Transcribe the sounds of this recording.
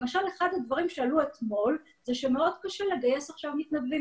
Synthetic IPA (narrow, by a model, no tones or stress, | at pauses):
maʃale̞χad̪ad̪vaʁimʃealuet̪mo̞l | zeʃemeo̞d̪kaʃele̞ɡaje̞saχʃavmit̪nabvim